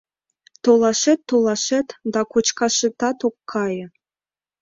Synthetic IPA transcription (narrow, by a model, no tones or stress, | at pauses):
t̪olˠɑʃet̪ːolˠɑʃet̪d̪ɑkot͡ɕkɑʃɤ̆t̪ɑt̪okːʰɑjɤ̆